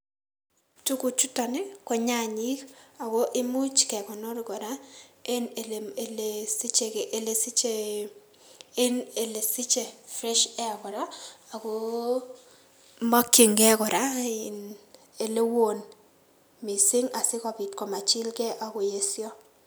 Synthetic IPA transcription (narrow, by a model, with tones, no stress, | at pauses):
tu˦ku˨t͡ʃu˦ta˨nɪ˦kɔ˨ɲa˦˨ɲi˦ka˨ɡo˦ʔɪ˦mʊ˦t͡ʃkɛ˨kɔ˨no˦ɾkɔ˨ɾa˦e˦ne˨le˨lesi˦t͡ʃe˨kʔe˨le˨si˦t͡ʃe˦ | e˦ne˨le˨sɪ˦t͡ʃe˨fɾɛ˦ʃɛ˦a˨kɔ˨ɾa˦a˨ko˦ | ma˦kːe˨ŋɡɛ˦kɔ˨ɾa˦ɪ˨n | e˨le˦wo˨n | mi˨sɪ˦ŋa˨sɪ˦kɔ˨pɪ˨tkɔ˨ma˨t͡ʃɪ˦lkɛ˦ʔa˨ko˨je˦sjɔ˦